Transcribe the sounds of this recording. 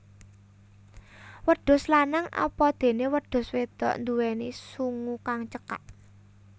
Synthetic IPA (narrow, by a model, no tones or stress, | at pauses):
wəɖ̪̥ʊ̤slanaŋɔ̰pɔd̪̥e̤newəd̪̥ʊ̤swed̪̥ɔ̤̰ʔnd̪uwɛnisuŋukaŋt͡ʃəka̰ʔ